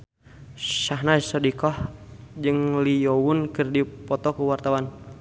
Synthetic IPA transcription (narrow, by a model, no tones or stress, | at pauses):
ʃaɦnasɔdikɔhd͡ʒɨŋlijɔwunkɨrdipɔt̪ɔkuwart̪awan